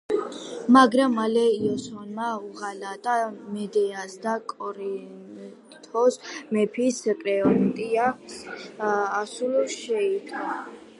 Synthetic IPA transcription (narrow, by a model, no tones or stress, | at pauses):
maɡɾamːalɛiɔswanmauʁalat̪ʼamɛd̪ɛasd̪akʼɔɾin | t̪ʰɔsmɛpʰiskʼɾɛɔt̪ʼia | sulʃɛid̪ʰʼa